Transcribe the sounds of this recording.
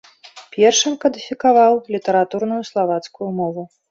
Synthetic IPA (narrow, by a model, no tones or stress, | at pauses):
pʲɛrʂɨmkɐd̪ʲifʲikavawlʲit̪ɐɾat̪uɾn̪ujuslˠavat̪skujumɔvu